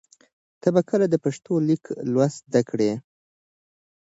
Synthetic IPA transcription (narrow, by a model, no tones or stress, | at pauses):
t̪abakəlad̪əpaʂt̪olikʰlwasd̪akɽe